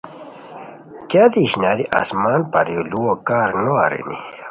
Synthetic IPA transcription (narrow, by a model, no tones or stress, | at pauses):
kad̪iɕnaɾiʔa̰smaːnpaɾjoluokaːɾnoa̰ɾḭnḭ